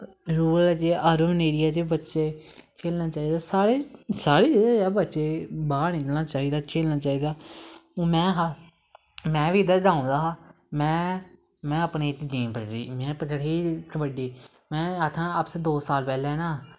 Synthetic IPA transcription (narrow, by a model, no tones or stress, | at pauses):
ɾuːllt͡ʃeəːɾəmneːɾɪjaːt͡ʃebətːʃeːkʰeːlnaːt͡ʃaːiːd̪aːsaːɾeːsaːɾeːd͡ʒedɛːbət̪ːʃeːbaːnɪ̃kəlnaːt͡ʃaːiːd̪aːkʰeːlnaːt͡ʃaːɦiːd̪aːõːmɛ̃ːɦa | mɛ̃ːʋiːɪd̪əɾɖãːõnd̪aːɦaː | mɛ̃ː | mɛ̃ːəpneːɪt̪ːed͡ʒiːmpəʈɾḭːmɛ̃ːpəʈɽeːtbəɖiː | mɛ̃ːət̪ʰãːəpsed̪oːsaːlpɛːlɛːnãː